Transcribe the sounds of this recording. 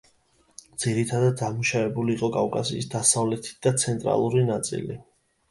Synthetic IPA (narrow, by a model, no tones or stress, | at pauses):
d̪z̥iɾit̪ʰad̪ad̪ːamuʃavɛbuliːqʼɔkʼavkʼasḭːsd̪asavlɛt̪ʰi̥d̪at̪sʰɛnt̪ʼɾa̰lˠuɾinat̪sʼḭlḭ